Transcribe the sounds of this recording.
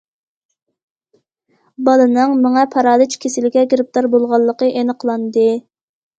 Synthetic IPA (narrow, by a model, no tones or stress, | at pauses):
bɑlˠɨnɨŋmɑŋɑpʰɑɾɑːd̪ɨt͡ʃʰkʲʰesɪlɪkʲɛɡɾɪp̚t̪ɑɾbolˠʁɑlˠːəqəʔenəqʰəlˠɑnd̪ɨ